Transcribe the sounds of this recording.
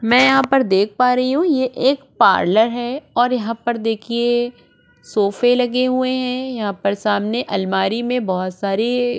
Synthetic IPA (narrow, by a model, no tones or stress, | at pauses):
mɛ̃ːjɐɦãpɐɾd̪eːk̚ʰpaːɾɐɦiɦũjeʔeːkpa̰ːɾləɾɦɛːɔːɾjɐɦãpɐɾd̪eːkʰie | soːfelɐɡeɦueɦɛ̃jɐɦãpɐɾsaːmneʔɐlmaːɾimẽbɔɦʊt̪saːɾe